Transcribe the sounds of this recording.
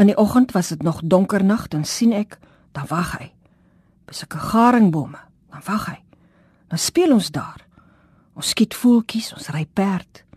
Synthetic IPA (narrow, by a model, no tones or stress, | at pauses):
əndiʔɔχəntvɐsdətnɔχdɔŋkərnɐχdɑnsinɛk | d̥ɐnvɐχə̰j | b̥əsəkəχɑːɾəŋbumə | d̥ɐnvɐχɦəj | dɑnspiəlɔnsdɑːr | ɔnskitfuːlˠkisɔ̃nsrɛjpæːrt